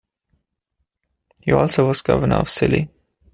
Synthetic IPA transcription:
hiɔlˠsoʊwʌz̥ɡʌ̰vənə̰ɔ̰v̥sɪlḭ

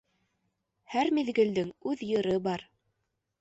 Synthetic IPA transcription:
hæɾmiðɡɘ̆ld̪ɘŋʉðjɤ̆ɾɤbɑɾ

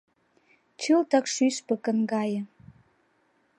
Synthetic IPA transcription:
t͡ɕɨlt̪ɑkʃyʃpə̆kə̆nɡɑjə̆

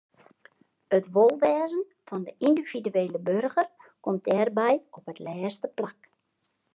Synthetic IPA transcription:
ətʋolˠʋɛːzən | fɔndəʔindiv̥idyeːləbørɣərkɔmt̚dɛːrbɛjɔpətlɛːstəplak

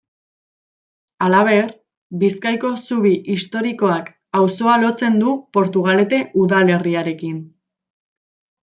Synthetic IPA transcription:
alaβ̞e̞r | biskajko̞suβ̞iʔist̪o̞ɾiko̞ak | awso̞alo̞t͡se̞nd̪upo̞ɾt̪uɣ̞ale̞t̪e̞ʔuðale̞riaɾe̞kin

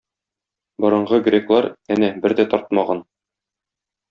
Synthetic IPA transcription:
bɒɾɤ̆ɴʁɤɡrʲeklˠɑɾænæbɘɾd̪æt̪ɒɾt̪̚mɑʁɑn

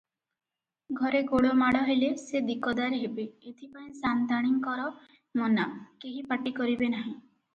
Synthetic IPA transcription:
ɡʱɔɾeɡoɭomaɽɔɦelesed̪ikɔd̪aɾɦebeet̪ʰipaĩsand̪aɽ̃iŋkɔɾɔ | mɔnakeɦipaʈikɔɾibenaɦĩ

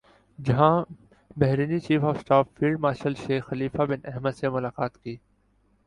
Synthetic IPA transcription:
d͡ʒɐɦã | bɛɦɾiːnit͡ʃiːfɔːfsʈaːfːiːlɖ̚maːʃəlʃeːxxːɐliːfabɪnɛɦməd̪semʊlaːkaːt̪kiː

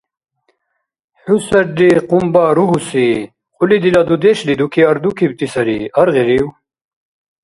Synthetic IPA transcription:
ħusɐɾɖiqumbaɾuɦusi | qʰulid̪ilad̪ud̪eɕlid̪ukʰiɐɾd̪ukʰib̚t̪isɐɾḭɐɾʁiɾiw

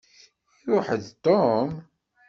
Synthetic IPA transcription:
iɾʊħəðt̪ˤːom

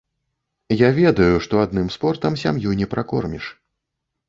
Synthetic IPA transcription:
javʲɛd̪ɐjuʂt̪ɔad̪nɨmspɔrt̪ɐmsʲamjujnʲɛpɾʔakɔrmʲḭʂ

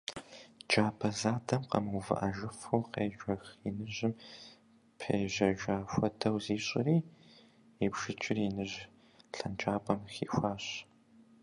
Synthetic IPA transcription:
d͡ʒaːbʰɐzaːdʰɐmqɐ̰mwvɨ̰ʔɐʒɪfuwqeːʒʷɐxinɨʑɪm | pʰḛjʑɐʒaːxʷɐtʰɐwziːɕʼɪ̰riː | ebʃɨt͡ʃʼɪrinɨʑ | ɬɐnt͡ʃʼaːpʰʼɐmxḭːxʷaːɕ

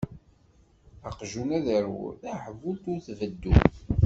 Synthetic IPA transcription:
əqʒunæðəɾṵθæħvut̪ʊɾθvəd̪ːu

